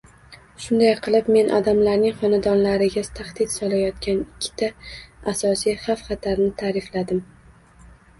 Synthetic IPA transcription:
ʃʊnd̪ajqʰɨlˠɪpme̞nʔɒ̰d̪amlaɾnɪŋχɒnad̪ɒnlaɾɪɡʲazt̪ʰaχd̪̥ɪt̪sɒlajɒt̪kʲanɪkʲʰːɪ̥t̪ʰaasɒsijhafχɑt̪ʰaɾnɪt̪ʰaːɾɪflad̪ɪm

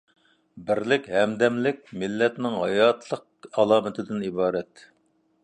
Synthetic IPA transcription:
bɪɾlɪkʲhɛmd̪ɛmlɪk̚ʲmɪlːɛt̪nɪŋɦɑjɑt̪ʰlˠəq̚ɑlˠɑːmɪt̪ʰɪd̪ɪnibɑːɾɛt̪

